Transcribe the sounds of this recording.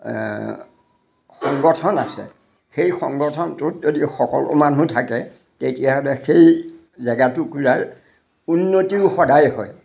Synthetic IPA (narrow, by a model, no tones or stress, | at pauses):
xɔŋɡɔtʰɔnasɛ̰ | xejxɔ̰ŋɡɔtʰɔntʊtzodixɔkɔ̰lʊ̰manutʰakɛ | tetijaɦɔlɛxej | zɛɡatʊkuɹaɹ | unːotiʊxɔdajɦɔ̰j